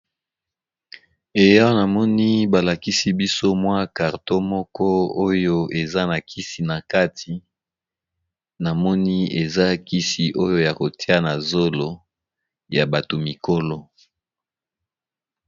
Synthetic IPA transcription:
e˨ja˦o˦na˨mɔ˦ni˦ba˨la˨ki˦si˦bi˦so˦mwa˦ka˨ʁto˦mɔ˦kɔ˦o˦jo˦e˨za˦na˨kʰi˦si˨na˨ka˦tʰi˨ | na˨mɔ˦ni˦e˨za˦ki˦si˨ʔo˦jo˦ja˨ko˨tʰi˦a˦na˨zo˦lo˨ | ja˨ba˨to˨mi˨ko˦lɔ˦

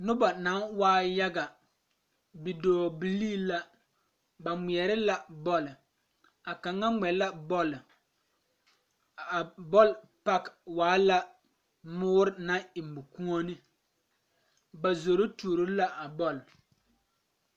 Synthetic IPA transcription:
nʊ˦ba˨na˨˦waː˦ja˦ɡa˨ | bi˨doː˨bi˨liː˦la˦ | ba˨mi˨ɛ˨ɾɪ˦la˦bɔ˦l | a˨ka˨ŋa˦ŋɛ˨la˦bɔ˦l | bɔ˦l | pa˦kwaː˨˦la˦ | mʊː˦ɾɪ˦na˦ɪ˨mbʊ˨ku˦ŋɔ˦ni˦ | ba˨zo˨ɾo˦tu˨ɾo˦la˦ʔa˨bɔ˦˨l

